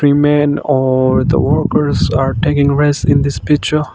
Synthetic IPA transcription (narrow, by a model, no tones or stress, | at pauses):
ɾiːmɛ̃nɔɾd̪ə̰ʋəɾkəɾzaɾʈeːkɪ̃ŋɾɛsɪ̃nd̪ɪspɪk̚t͡ʃə